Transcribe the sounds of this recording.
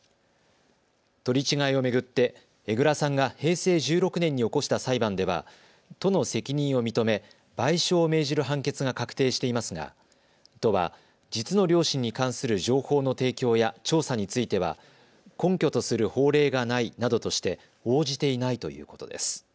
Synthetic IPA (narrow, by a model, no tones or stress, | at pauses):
t̪o̞ɾʲit͡ɕiɡaio̞me̞ɡɯ̟t̪ːe̞ | e̞ɡɯ̟ɾasãŋɡahe̞ːse̞ːʑɨːɾo̞kɯ̟nẽ̞ɲ̟ːio̞ko̞ɕi̥t̪asaibãnd̪e̞β̞a̰ | t̪o̞no̞se̞kʲiɲ̟ĩɰ̃o̞mʲit̪o̞me̞ | b̥aiɕo̞ːme̞ːʑiɾɯ̟ɦãŋke̞t͡sɨɡakakɯ̟̥t̪e̞ːɕi̥t̪e̞imasɨɡa̰ | t̪o̞βa̰ | d͡ʑit͡sɨno̞ɾʲo̞ːɕĩɲ̟ːikãɰ̃sɨɾɯ̟ʑo̞ːho̞ːno̞t̪e̞ːkʲo̞ːjat͡ɕo̞ːsaɲ̟it͡sɨit̪e̞βa̰ | kõ̞ŋkʲo̞t̪o̞sɨɾɯ̟ho̞ːɾe̞ːɡanainad̪o̞t̪o̞ɕi̥t̪e̞ | o̞ːʑit̪e̞inait̪o̞̰jɯ̟̰ːko̞̥t̪o̞̰d̪e̞̰sɨ̥